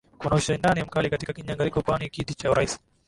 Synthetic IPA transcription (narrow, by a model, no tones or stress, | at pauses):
kunauʃaindaːniamkalikɐtikɐkiɲaŋɡɐlikɔkwanikid̪it͡ʃawɾʔais